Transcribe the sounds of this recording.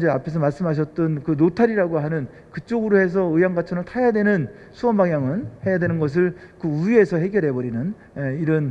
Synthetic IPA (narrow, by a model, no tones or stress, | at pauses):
d͡ʑeapʰe̞s̬ʰʌmaɭs͈ɯmɦaɕ̬ʰʌt̚t͈ʌnkɯnotʰaɾiɾaɡoɦanɯn | kɯt͡ɕ͈oɡɯɾohe̞s̬ʰʌɯjaŋɡat͡ɕʰʌnɯɭtʰajadwe̞nɯn | sʰuʌnbaŋjaŋɯnhe̞jadwe̞nɯnɡʌs̬ʰɯɭkɯuie̞sʰʌɦe̞ɡjʌɾɦe̞bʌɾinɯn | eiɾʌn